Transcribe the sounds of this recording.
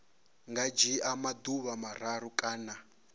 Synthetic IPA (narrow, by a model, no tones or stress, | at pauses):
ŋɡad͡ʒiamaduβamaɾ̤aɾukʼaːna